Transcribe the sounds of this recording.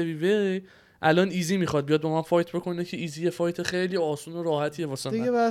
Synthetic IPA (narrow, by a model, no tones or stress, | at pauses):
eviːve | ʔælɒːniːziːmiχɒd̪̚bijɒd̪̚bɒmænfɒjt̪ʰbo̞kʰo̞necʰeiːziːje̞fɒjt̪ʰeχejliːɒːsuːnoɾɒːhæt̪ʰiːevɒːsieæ